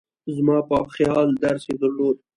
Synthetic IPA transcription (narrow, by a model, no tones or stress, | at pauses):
zmɑːpəxjɑld̪aɾsed̪əɾloːd̪̚